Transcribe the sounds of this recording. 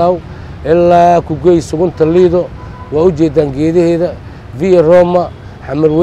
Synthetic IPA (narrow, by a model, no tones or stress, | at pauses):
aw | ʔɪlːaːkʰʊɡɔjsʊɣʊnt̪ʰɐliðɔ | wɑːʊt͡ʃɛːd̪aːŋɡɛːðɐhɛːðɐ | vɪrɔːmɐ | ħɑmɐrw